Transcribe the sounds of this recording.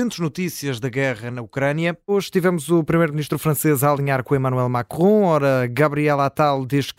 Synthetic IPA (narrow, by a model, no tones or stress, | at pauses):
ẽnt̪ʒnut̪isiɐʒðɐɣɛʁɐnɐukɾɐnjɐoʒʃt̪ivɛmuzupɾimɐjɾmniʃt̪ɾufɾɐ̃sezaːlˠiɲaɾkõimɐnuwɛlˠmakʁõɔɾɐɣɐβɾiɛlˠat̪alˠd̪eʃk